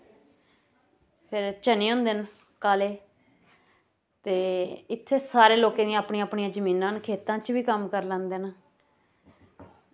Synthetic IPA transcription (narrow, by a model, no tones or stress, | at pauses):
pʰɪɾt͡ʃəneːõːnd̪eːn | kaːleː | t̪eːɪt̪ʰːeːsaːɾeːloːkẽːd̪ĩãaːpɳiːãːpɳiãːd͡ʒəmĩːnãːnkʰeːt̪ãːt͡ʃʋiːkəmkəɾlãːnd̪eːn